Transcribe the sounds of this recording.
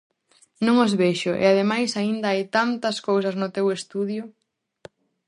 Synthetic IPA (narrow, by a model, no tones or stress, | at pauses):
nõŋozβeʃʊʔḛaðemajsaind̪ɐajt̪ant̪ɐskows̬ɐznʊt̪ewest̪uðjʊ